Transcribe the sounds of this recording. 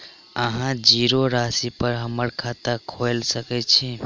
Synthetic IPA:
əɦãd͡ʒiɾoɾasipəɾɦəməɾkʰat̪akʰojlsəkɛt͡ʃʰi

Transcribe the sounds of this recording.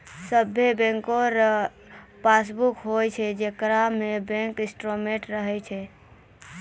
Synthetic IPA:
səbʱːebɛ̃ŋkoɾ | pasbukɦojt͡ʃʰɛd͡ʒekɾamebɛ̃ŋkɪsʈɾomeʈɾəɦɛt͡ʃʰɛ

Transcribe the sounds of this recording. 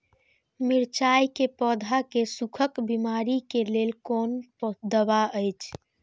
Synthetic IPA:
miɾt͡ʃajkepɔːd̪ʱakesukʰəkbimaɾikeleːlkonpd̪əβaəjt͡ʃʰ

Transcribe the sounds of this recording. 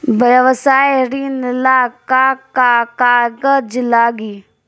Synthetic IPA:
bəjəʋəsaːjɾinɪlaːkakakaːɡəd͡ʒlaːɡiː

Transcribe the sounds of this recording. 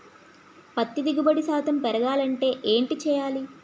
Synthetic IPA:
pɐt̪ːid̪iɡubɐɽisaːt̪ʰɐmpɛɾɐɡaːlɐɳʈe̞ːʔeːɳʈit͡ʃɛːjaːli

